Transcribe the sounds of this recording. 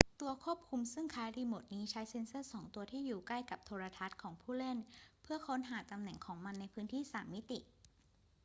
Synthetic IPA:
t̪u˧ɐkʰu˥˩əp̚kʰu˧msɯ˥˩ŋkʰaː˦˥jɾiː˧moː˨˩t̪̚niː˦˥t͡ɕʰa˦˥jse˧˥nsɤ˥˩sɔː˩˦ŋt̪u˧ɐt̪ʰiː˥˩juː˨˩kla˥˩jka˨˩p̚t̪ʰoː˧ɾa˧t̪ʰa˦˥t̪̚kʰɔː˩˦ŋpʰuː˥˩le˥˩npʰɯ˥˩ɐkʰo˦˥nɦaː˩˦t̪a˧mnɛ˨˩ŋkʰɔː˩˦ŋma˧nːa˧jpʰɯː˦˥nt̪ʰiː˥˩saː˩˦mːi˦˥t̪ḭ˨˩ʔ

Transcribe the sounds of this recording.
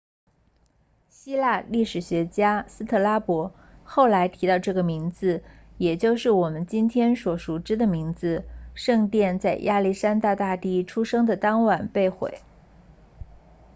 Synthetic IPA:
ɕi˥la˥˧li˥˩ʂɻ̩˨˩ɕɥɛ˧˥t͡ɕja˥sɹ̩˥t̪ʰɤ˥˩la˥pwɔ˧˥ | xo˥˩ʊla˧˥ɪt̪ʰi˧˥t̪ɑ˥˧ʊʈ͡ʂɤ˥˩ɡə˩mi˧˥ŋd͡zɹ̩˧jɛ˨˩t͡ɕjo˥˧ʊʂɻ̩˥˩wɔ˨˩mə˦nt͡ɕi˥nt̪ʰjɛ˥nswɔ˧˥ʂu˨˩ʈ͡ʂɻ̩˥d̪ə˨mi˧˥ŋd͡zɹ̩˧ʂɤ˥˧ŋt̪jɛ˥˧nt͡sa˥˧ɪjʔa˥˧li˥˩ʂa˥nt̪a˥˧t̪a˥˧t̪i˥˩ʈ͡ʂʰu˥ʂɤ˥ŋd̪ə˨t̪ɑ˥ŋwa˨˩npe˥˧ɪxwḛ˨˩ɪ

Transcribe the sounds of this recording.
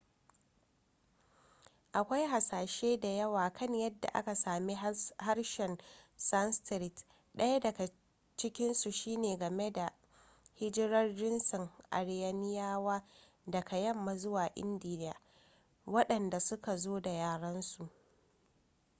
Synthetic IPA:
ʔa˨kʷa˦jɦa˨saː˨ʃeː˦da˨jɐ˦waː˨kʰɐ˦˨ɲjɐ˦dːa̰˨ʔa̰˦ka˨saː˨mi˦ha˦ɽʃɛ˨nsɐ˦nstɾɪ˨t | ɗɐ˦ja˦dɐ˨ka˨ | t͡ʃɪ˦kʲɪ˦nsu˨ʃiː˦neː˨ɡɐ˨me˦da˨ | hɪ˦d͡ʒɪ˦ɾɐ˦rd͡ʒɪ˦nsɔ˨ŋʔa̰˨ɽɪ˦jɐ˦nɪ˦jaː˦waː˦ | dɐ˨kʰa˨jɐ˦˨mːa˨zʊ˦waː˨ʔɪ̰˦ndiː˨n˦ja̰ː˨ | wɐ˦ɗɐ˨nda˨sʊ˦ka˨zoː˦da˨jaː˨ɽɐ˦nsu˨ʔ

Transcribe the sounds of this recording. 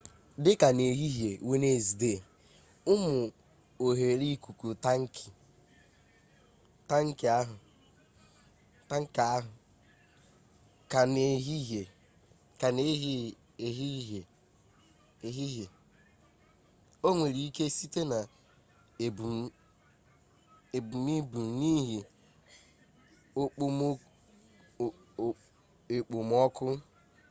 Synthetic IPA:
dɪ˦ka˨ne˨ɦi˦ɦje˨we˦ne˦˨zi˨de˦˨ | ʊ˦mʊ˨ | o˨ɦe˨ɾi˦ku˨ku˨ta˦ŋ̩˦ki̥˨ | ta˦ŋ̩˦kɪ˨a˦ɦʊ˨ | ta˦ŋ̩˦ka˦ɦʊ˨ | ka˨ne˨ɦi˦ɦe˨ | ka˨ne˦ɦ | e˨ɦi˦ɦe˨ | e˨ɦi˦ɦe˨ | o˦ŋʷe˨ɾi˨˦i˦ke˦si˦te˦na˨ | bu˨ | e˨bu˨mi˦bu˨m˨˦ni˦ɦi˨ | o˦k͡po˦m˦ | e˨k͡po˨m˦ɔ˦kʊ˦

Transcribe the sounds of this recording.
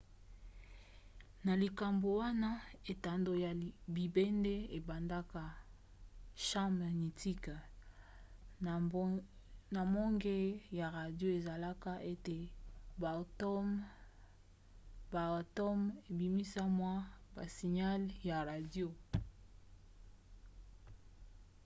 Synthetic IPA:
na˨li˨ka˨mbo˨wa˦na˦e˨ta˨ndo˨ja˨bi˨be˦nde˦e˨ba˨nda˦ka˦ | ʃã˦ma˨ni˨ti˦k | na˨mo˦ŋɡe˦ja˨ʁa˨djo˦e˨za˨la˦ka˦ʔe˦te˨ba˨tɔ˦m | ba˨tɔ˦me˨bi˨mi˦sa˦mwa˦ba˨si˨ɲa˦lja˨ʁa˨djo˦

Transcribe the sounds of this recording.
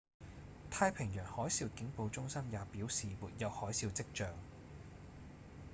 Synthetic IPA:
t̪ʰaː˧jpʰɪ˨˩ŋjœː˨˩ŋhɔː˨˥jsiː˧wkɪ˨˥ŋpo˧wt͡sʊ˥ŋsɐ˥mjaː˨˧piː˨˥wsiː˨muː˨˩t̚jɐ˨˧whɔː˨˥jsiː˧wt͡sɪ˥k̚t͡ʃœː˨ŋ

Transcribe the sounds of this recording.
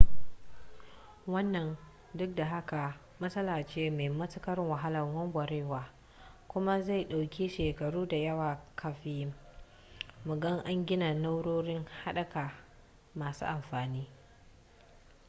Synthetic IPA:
wɐ˦nːɐ˨n | dʊ˦k̚da˨ɦa˦ka˨ | mɐ˦sɐ˦laː˨t͡ʃeː˦me˨mɐ˦tʊ˦kɐ˦ɾŋwɐ˨ɦa˦lɐ˨ŋwɐ˦ŋɡʷɐ˨ɾeː˦waː˨ | kʷʊ˦ma˦za˦˨jɗa˨wkʲi˦ʃeː˨kɐ˨ɽuː˦da˨jɐ˦waː˨kʰɐ˨ɸiː˦ | mʊ˨ɡɐ˦ŋʔa˦ŋɡʲɪ˦na˨na˦wɽoː˦ɽɪ˦ŋha˦ɗɐ˨ka˨ | maː˨sṵː˦ʔa˨mɸaː˨niː˦

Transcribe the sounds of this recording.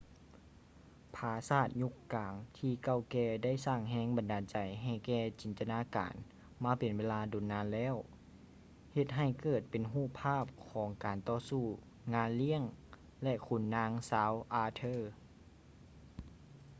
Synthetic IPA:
pʰaː˧˦saː˧˩t̪̚ɲu˧˥kːaː˨˩ŋt̪ʰiː˧ka˧˩wkɛː˧da˥˩˨jsaː˧˩ŋɦɛː˧˥ŋba˨ndaː˨nt͡ɕa˨˩jɦa˧˩jkɛː˧˩t͡ɕiː˨nt̪a˧naː˧˥ka̰ː˨n | maː˧˥pe˨nweː˧˥˧laː˧˥do˨˩˦nːaː˧˥nlɛː˧˥˨w | he˧t̪̚ɦa˧˩jkɤː˨˩t̪̚pe˨nɦuː˥˩pʰːaː˥˩p̚kʰɔː˨˩˦ŋkaː˨nt̪ɔː˧suː˧˩ | ŋaː˧˥˨nli˥˩əŋ | lɛ˧kʰu˧˩nːaː˧˥ŋsaː˧˥wʔaː˧t̪ʰɤː˧˥˨

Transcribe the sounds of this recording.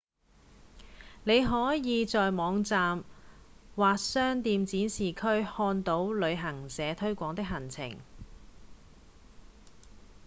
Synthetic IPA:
ne˨˧jɦɔː˨˥jiː˨˧t͡sɔː˨jmɔː˨˧ŋt͡saː˨m | waː˨k̚sœː˥ŋt̪iː˨˧mt͡siː˨˥nsiː˨˩kʰɵ˥ɥhɔː˧nt̪o˨˥wlɵ˨˧ɥɦɐ˨˩ŋsɛː˨˧t̪ʰɵ˥ɥkʷɔː˧˥ŋt̪ɪ˥k̚ɦɐ˨˩nt͡sʰɪ̰˨˩ŋ

